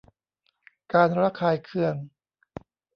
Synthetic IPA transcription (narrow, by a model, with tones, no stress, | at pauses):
kaː˧nɾa˦˥kʰaː˧jkʰɯ˧əŋ